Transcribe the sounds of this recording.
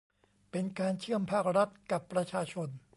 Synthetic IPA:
pe˧nkaː˧nt͡ɕʰɯ˥˩əmpʰaː˥˩k̚ɾa˦˥t̪̚ka˨˩pːɾa˧t͡ɕʰaː˧t͡ɕʰo˧n

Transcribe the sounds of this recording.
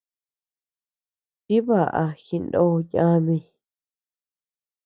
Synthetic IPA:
t͡ʃi˦βa˨ʔa̰˧xi˧nd̪õ˧ɲã˧nĩ˧

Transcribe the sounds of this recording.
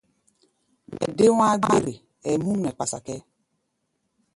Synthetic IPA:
mɛ̰˨de˦wa˦ɡe˦ɾe˨ | ɛ˨mũ˦n˨ɛ˨k͡pa˨sa̰˨kɛ˦

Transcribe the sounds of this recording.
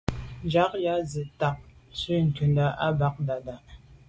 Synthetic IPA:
nd͡ʒa˨˦k̚ja˨˦zə˨ta˨p̚sʉ˦ŋ̩˨kʉ˨nda˦ʔa˦ba˦k̚da˨da˨ʔ

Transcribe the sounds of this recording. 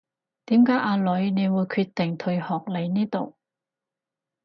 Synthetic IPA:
t̪iː˨˥mkaː˨˥jʔaː˧lɵ˨˧ɥne˨˧jwuː˨˧jkʰyː˧t̚t̪ːɪ˨˩ŋt̪ʰɵ˧ɥhɔː˨k̚le˨˧jniː˥t̪o˨˩w

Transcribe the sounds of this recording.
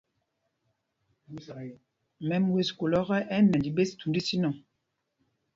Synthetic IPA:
mɛ˦m˦we˨sko˨lɔ˦ʁɛ˦ʔɛ˦nɛ˨di˨be˦stu˨ndi˦si˦nɔ̃˨

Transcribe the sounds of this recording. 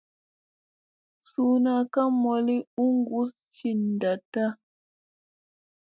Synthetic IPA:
su˨na˨ka˦mɔ˨li˦u˦ŋɡu˦s | t͡ʃi˨n˨da˨ta˦

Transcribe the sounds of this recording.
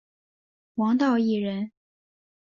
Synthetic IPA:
wɑ˧˥ŋt̪ɑ˥˧ʊi˥˩ɻə˧˥n

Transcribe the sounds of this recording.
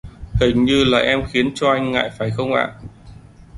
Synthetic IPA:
hï˨˩ŋɲɨ˧la̰ː˨˩ʔɛ˧mxi˨˦ənt͡ɕɔ˧ʔa˧jŋ̟ŋa̰ː˧˨jfaː˧˩jxə˧wŋ͡mʔa̰ː˧˨n

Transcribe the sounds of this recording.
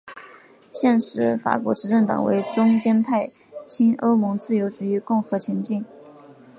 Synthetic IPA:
ɕjɛ˥˩nʂɻ̩˧˥fa̰˨˩kwɔ̰˧˥ʈ͡ʂɻ̩˧˥ʈ͡ʂɤ˥˩ŋt̪ɑ̰˨˩ŋwḛ˧˥ɪʈ͡ʂʊ˥ŋt͡ɕjɛ˥npʰa˥˩ɪ | t͡ɕʰi˥nʔo˥ʊmʊ˧˥ŋt͡sɹ̩˥˩jo˧˥ʊʈ͡ʂu˨˩y˧˥kʊ˥˩ŋxɤ˧˥t͡ɕʰjɛ˧˥nt͡ɕi˥˩n

